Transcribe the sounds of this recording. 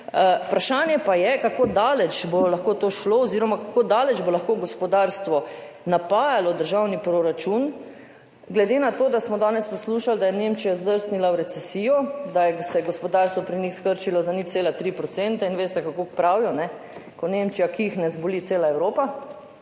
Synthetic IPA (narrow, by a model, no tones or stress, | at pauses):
pɾaʃaːnjɛpajɛkakoːd̪aːlɛt͡ʃbolaxkot̪oʃloɔziɾɔmakakoːd̪aːlɛt͡ʃbolaxkoɡɔspɔd̪aɾst̪ʋɔ | napaːjalɔd̪əɾʒawnipɾoɾat͡ʃun | ɡlɛd̪enat̪oːd̪asmɔd̪aːnɛspɔsluːʃald̪ajɛnemt͡ʃijazd̪əɾsnilawɾɛt̪sɛsiːjɔd̪ajɛsɛɡɔspɔd̪aɾst̪ʋɔpɾinixskəɾt͡ʃilɔzanit̪seːlat̪ɾipɾɔt̪sɛnt̪ainʋeːst̪ɛkakokpɾaːwjɔnɛ | kɔnemt͡ʃijakiixnɛzbɔlit̪seːlaɛwɾoːpa